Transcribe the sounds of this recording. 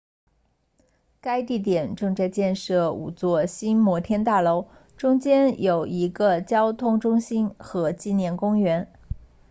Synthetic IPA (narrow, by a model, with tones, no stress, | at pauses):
ka˥ɪt̪i˥˩t̪̬jɛ˨˩nʈ͡ʂɤ˥˧ŋt͡sa˥˧ɪt͡ɕjɛ˥˧nʂɤ˥˩ṵ˨˩t͡swɔ˥˩ɕi˥nmwɔ˧˥t̪ʰjɛ˥nt̪a˥˩lo˧˥ʊ | ʈ͡ʂʊ˥ŋt͡ɕjɛ˥njo˨˩ʊi˧˥ɡə˧t͡ɕjɑ˥ʊt̪ʰʊ˥ŋʈ͡ʂʊ˥ŋɕi˥nxɤ˧˥t͡ɕi˥˧njɛ˥˩nkʊ˥ŋɥɛ˧˥n